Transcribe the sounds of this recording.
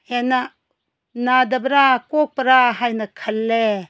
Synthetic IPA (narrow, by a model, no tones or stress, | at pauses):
henɐ | nadɐbɐɾakok̚pɐɾaɦajnɐkʰɐlːe